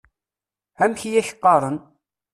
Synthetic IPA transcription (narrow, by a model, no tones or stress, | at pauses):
hæmçijæçə̥qːɑɾˤən